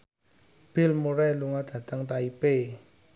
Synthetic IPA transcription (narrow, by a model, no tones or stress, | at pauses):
b̥ɪ̤lmuɾɛluŋad̪̥a̤t̪əŋt̪aipe